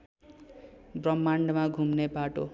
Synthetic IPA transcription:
brʌmːaɳɖmaɡʱumnebaʈo

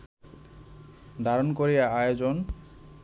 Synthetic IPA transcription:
d̪ʱaɾonkoɾijaajod͡ʑon

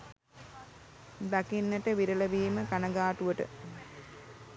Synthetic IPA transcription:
d̪akinːəʈəʋiɾəlɐʋiːməkanɐɡaːʈuʋəʈə̰

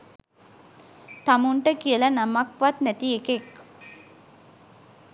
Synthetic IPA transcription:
t̪amuɳʈəkijəlɐnamakʋat̪næt̪iekek

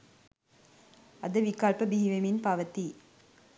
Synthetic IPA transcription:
ɐðɐʋɪkːaːlpɐbiːʋɐmɪnpaːʋɐt̪ːi

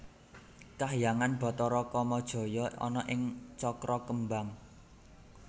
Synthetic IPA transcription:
kaɦjaŋanb̥ɔ̤t̪ɔɾɔkɔmɔd̥ʒ̥ɔ̤jɔɔ̰nɔʔɪŋt͡ʃɔkɾɔkəmbaŋ

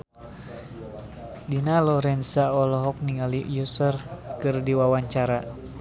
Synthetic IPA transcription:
dinalɔɾɛnsaɔlɔɦɔk̚niŋalijusərkɨrdiwawaɲt͡ʃaɾa

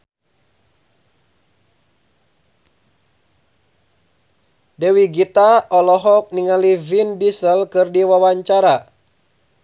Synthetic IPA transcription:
dɛwiɡit̪aʔɔlɔɦɔk̚niŋalivindisəlkɨrdiwawaɲt͡ʃaɾa

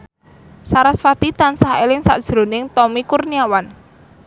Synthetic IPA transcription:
saɾasfat̪it̪ansaɦelɪŋsa̰ʔd̥ʒ̥ɾo̤nɪŋt̪ɔmikurniawan

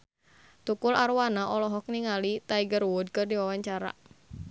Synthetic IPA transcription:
t̪ukʊlaɾwanaʔɔlɔɦɔk̚niŋalit̪aiɡərwʊd̪̚kɨrdiwawaɲt͡ʃaɾa̰

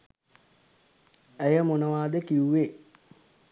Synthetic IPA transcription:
æjəmonəʋaːd̪əkiuʋe

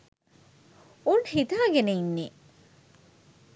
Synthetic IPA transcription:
unhit̪aːɡeneinːe

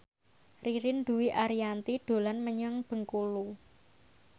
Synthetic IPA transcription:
riɾɪnd̪ṳwiʔaɾiant̪iɖ̪̥o̤lanməɲəŋb̥ə̤ŋkulu

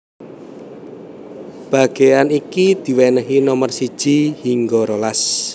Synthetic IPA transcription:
b̥a̤ɡ̥ejanikid̪̥i̤wɛnəɦinɔmərsid̥ʒ̥i̤hiŋɡɔɾolas

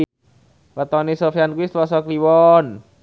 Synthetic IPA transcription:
pat̪ɔnisofiankuwist̪lɔsɔkliwɔn

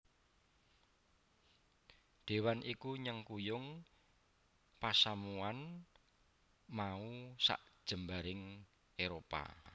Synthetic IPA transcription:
d̪̥e̤wanʔikuɲəŋkujʊŋ | pasamuan | mausa̰ʔdd̥ʒ̥ə̤mbaɾɪŋ | eɾopa̰

